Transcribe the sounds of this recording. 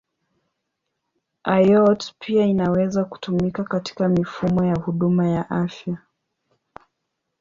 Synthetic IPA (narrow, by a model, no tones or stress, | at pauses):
ʔajɔtpʰiainawɛzaku̥tumikakati̥kamifumɔjahuɗumajaʔafja